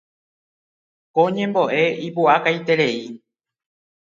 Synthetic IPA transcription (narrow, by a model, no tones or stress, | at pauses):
kõɲẽmboʔeipuakait̪eɾei